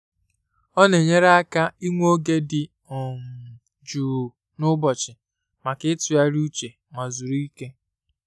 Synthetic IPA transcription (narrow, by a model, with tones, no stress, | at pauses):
ɔ˦ne˨ɲe˦ɾa˦ka˦i˦ŋʷ˦o˦ɡe˦dɪ˨ | ɔ˨m̩˨ | d͡ʒuː˨ | nʊ˦bɔ˨t͡ʃɪ˨ | ma˨kɪ˦tʊ˨ja˦ɾu˦t͡ʃe˨ | ŋa˨zu˨ɾi˦ke˦